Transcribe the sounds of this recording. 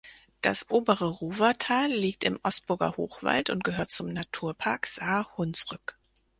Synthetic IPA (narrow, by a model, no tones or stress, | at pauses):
d̥asʔoːbəʁəʁuːvɐtʰaːlːiːk̚tɪmʔɔstb̥ʊɐɡɐ̰ho̰ːχv̥a̰ltʊntɡ̥əɦøːɐt̚t͡sʊmnatʰuːɐpʰaɐkz̥aːhʊnsʁʏk